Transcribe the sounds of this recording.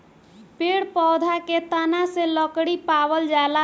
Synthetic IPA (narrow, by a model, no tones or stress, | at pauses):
peɽpɔwd̪ʱaket̪anaseləkɽipabəld͡ʒala